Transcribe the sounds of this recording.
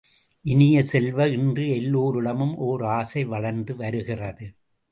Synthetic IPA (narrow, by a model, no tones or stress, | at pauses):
ʔɪnɪjɐsɛlʋɐɪndrɯɛlːoːɾɯɽɐmɯmʔoːɾaːsɐɪʋɐɭɐɾnd̪ɯʋɐɾɯɣɪrɐðɯ